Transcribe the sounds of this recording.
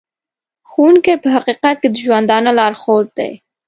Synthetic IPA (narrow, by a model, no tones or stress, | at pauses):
xowunkejpəɦaqiqat̪̚ked̪əʒwand̪ɑnolɑɾxoɾd̪̥ḛj